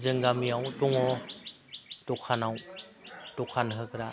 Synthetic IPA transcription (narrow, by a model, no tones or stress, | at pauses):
zɯŋɡamijawtɔŋɔ | tɔkʰanaw | tɔkʰanɦɯɡɾa